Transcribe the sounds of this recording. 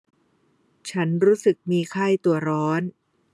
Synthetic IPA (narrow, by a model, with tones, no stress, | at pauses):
t͡ɕʰa˦˥nɾuː˦˥sɯ˨˩k̚miː˧kʰa˥˩jt̪u˨˩ɐɾɔː˦˥n